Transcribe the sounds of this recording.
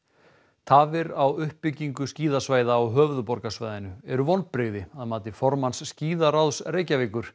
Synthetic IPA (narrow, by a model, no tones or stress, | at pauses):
t̪ʰaːvɪɾawʏhpːɪcːiŋkʏsciːðasvaːjðaːwɦœːvðʏpɔɾkasvaːjðɪnʏɛɾʏvɔnpɾeɣðɪaðmaːt̪ɪfɔɾmansːciːðaɾawðsreːjcavɪːkʏɾ̥